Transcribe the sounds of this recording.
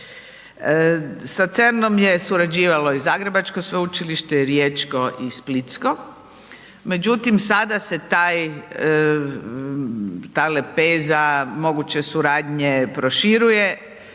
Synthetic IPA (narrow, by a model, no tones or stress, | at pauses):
sat̪seɾno̞mjesuɾad͡ʒiːʋalo̞izaːɡɾe̞bat͡ʃkosʋeut͡ʃiliʃt̪eɾjeːt͡ʃko̞ʔisplit̪sko̞ | me̞d͡ʒut̪imsad̪ase̞t̪aːj | t̪aːle̞pe̞ːzamo̞ɡut͡ɕe̞suɾaːd̪ɲe̞pɾoʃiɾuje